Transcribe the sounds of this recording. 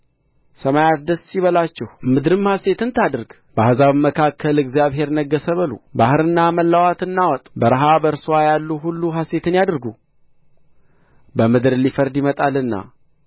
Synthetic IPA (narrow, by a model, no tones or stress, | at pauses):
səmajat̪d̪əsiβəlat͡ʃːɛhmɨd̪ɾɨmhase̞t̪ɨnt̪ʰad̪ɨɾɡ | b̥əhazaβɨmːəkʰakːəlɨɡzjaβɦe̞ɾnəɡːəsəβəlṵbahɨɾɨnːaməlːawat̪ɨnːawɔt̪ʼbəɾəɦabəɾswajalːuɦulːuɦase̞t̪ɨnjad̪ɾɡu | bəmɨd̪ɾɨlifəɾd̪jimət̪ʼalɨnːa̰